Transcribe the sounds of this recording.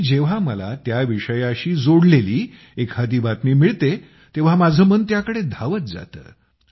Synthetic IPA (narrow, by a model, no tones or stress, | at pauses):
d͡ʑeʋ̤aməla̰t̪jaʋiʂəjaɕiːd͡zoɽleliː | ekhad̪iːbat̪miːmiɭt̪e | t̪eʋ̤amad͡zʱəmənt̪jakəɽed̪ʱaʋət̪̚d͡za̰t̪ə̰ː